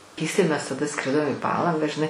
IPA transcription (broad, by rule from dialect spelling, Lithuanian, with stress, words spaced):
kʲɛɪsˈtɐɪ mʲɛs tɐˈdɐ ˈskrʲɪdoːm iː ˈpɑːlˠɐŋɡɑː ʒʲɪˈnɐɪ